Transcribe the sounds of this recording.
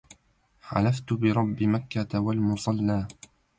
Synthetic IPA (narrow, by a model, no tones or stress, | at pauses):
ħa̰laft̪bɪɾˤɑbːimakːawalmʊsˤɑlːaː